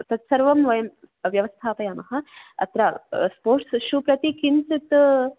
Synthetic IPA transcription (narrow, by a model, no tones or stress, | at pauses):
t̪ɐt̪sɐɾʋɐmʋɐjɐmʋjɐʋɐst̪ʰaːpɐjaːmɐɦɐɐ̰t̪ɾaspoːɾʈsʃupɾɐt̪ikinsit̪